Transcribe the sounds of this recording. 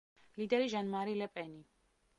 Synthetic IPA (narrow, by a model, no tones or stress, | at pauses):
lid̪ɛɾiʒanmaɾilɛpʼɛni